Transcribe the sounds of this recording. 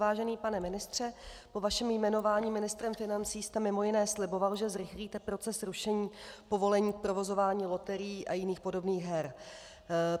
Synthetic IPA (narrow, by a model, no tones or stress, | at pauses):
vaːʒɛniːpanɛmɪnɪst̪r̝̥ɛpo̞vaʃɛmjmɛno̞vaːɲiːmɪnɪst̪ɾɛmfɪnant͡siːst̪ɛmɪmo̞jɪnɛːslɪbo̞valʒɛzɾɪxliːt̪ɛpɾo̞t͡sɛsɾuʃɛɲiːpo̞vo̞lɛɲiːk̚pɾo̞vo̞zo̞vaːɲiːlo̞t̪ɛɾɪjiːʔajɪniːxpo̞do̞bniːɣɦɛɾ